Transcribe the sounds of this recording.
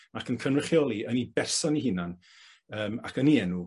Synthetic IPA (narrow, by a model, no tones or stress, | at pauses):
akʰənkʰənrɪχjɔlˠiənibɛrsɔnihɪnan | əːmakʰəniɛnu